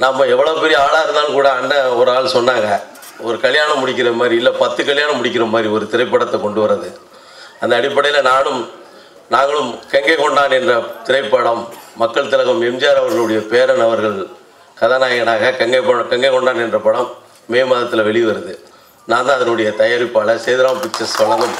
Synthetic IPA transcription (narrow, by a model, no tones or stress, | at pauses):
namːɐɛʋːɐɭɐʋɐpɛɾɪjɐaːɽaːɾɯnd̪aːlɯmkuːɽɐːnːɐɔɾaːɭsɔnːaːŋɡɐ | ɔɾɯkɐɭɪjaːɳɐmːʊɽɪk̬ʲːɪɾɐmaːd̪ɾiɪlːɐpɐt̪ːɯkɐɭɪjaːɳɐmːʊɽɪk̬ʲːɪɾɐmaːd̪ɾiɔɾɯt̪ɪɾɐɪpːɐːɽɐt̪ːɐkɔɳɖɯʋɐɾɐðɯ | ɐnd̪ɐːɽɪpːɐɽɐjɪlɐnaːlɯm | naːŋɡɐɭɯmkɛŋɡɐkɔɳɖaːnɛndrɐt̪ɪɾɐɪpːɐɽɐmːɐkːɐɭt̪ɪlɐɣɐmɛmd͡ʒaːɾɐʋɐɾɣɐɭɯɽɐjɐpeːɾɐnɐʋɐɾɣɐɭ | kɐðɐnaːjɐɣɐnaːɣɐkɛŋɡɐpːɐɐkɛŋɡɐkɔɳɖaːnɛndrɐpɐɽɐmː | eːmɐðɐt̪ːɪlɐʋɛɭɪʋɐɾɐðɯ | naːnd̪ãːɐðɐnɯɽɐjɐt̪ɐjɐɾɪpːaːlɐseːðɪɾaːmpɪt͡ʃːɐsɐlːaːŋɡɐ